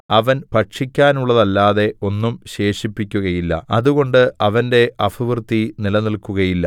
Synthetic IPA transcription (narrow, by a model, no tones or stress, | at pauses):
ɐʋɐnpɐʈʂikʲːaːnuɭːɐðɐlːaːðe̞o̞nːumɕe̞ːʂipːikʲːuɣɐjilːɐ̰ɐðuɣo̞ɳɖɨɐʋɐnde̞ɐfɐʋrt̪ːinilɐnilkuɣɐjilːɐ